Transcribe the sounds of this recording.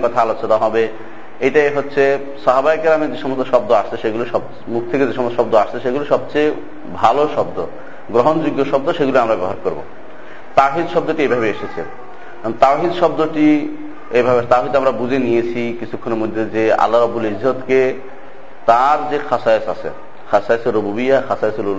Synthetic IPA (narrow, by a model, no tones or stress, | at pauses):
kɔt̪ʰaalot͡ɕonaɦɔbe | ejʈajɦotːɕʰe | sɔɦabaikɾamed͡ʑeʃɔmost̪ʰoʃɔb̚d̪oaʃt͡ɕʰeʃeɡuloʃɔb̪̚ | muk̚ʰt̪ʰeked͡ʑeʃɔmost̪oʃɔbd̪oaʃt͡ɕʰeʃeɡuloʃɔbt͡ɕej | bʱaloʃɔbd̪o | ɡɾoɦond͡ʑuɡjoʃɔb̚d̪oʃeɡuloamɾabɛoɦaɾkoɾbo̰ | t̪awɦid̪ʃɔbd̪oʈiejbʱabeeʃet͡ɕʰe | t̪awɦid̪ʃɔbd̪oʈi | ejbʱabet̪awɦid̪amɾabud͡ʑenijet͡ɕʰikit͡ɕʰukʰːoneɾmod̪ʱːed͡ʑea̰lːaɾɔbːulizɔt̪ke | t̪aɾd͡ʑexʰasajesa̰t͡ɕʰḛ | kʰasajeseɾobubijaxʰasajeseɾul